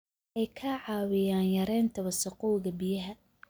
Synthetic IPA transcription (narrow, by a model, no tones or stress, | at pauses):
ɛjkʰɐʕɑːwɪjaːnjɐɾɛːnt̪ʰɐwɐsɐqɔːɣɐbɪjɐɦɐ